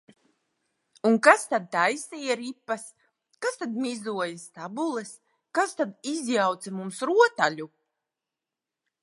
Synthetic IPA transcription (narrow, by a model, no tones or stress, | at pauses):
unkast̪ad̪̚t̪ajsijaɾipːas | kast̪ad̪mʲizuɔjast̪abulˠɛs | kast̪ad̪izjawt̪samumsɾuɔt̪aʎʲu